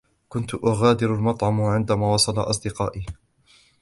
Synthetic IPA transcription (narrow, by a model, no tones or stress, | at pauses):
kʊnt̪ʊʔaɣaːd̪ɪɾalmɑt̪ˤʕɑmʕɪnd̪amaːwɑsˤɑlɑʔɑs̬ˤd̪ɪqɑ̰ːʔi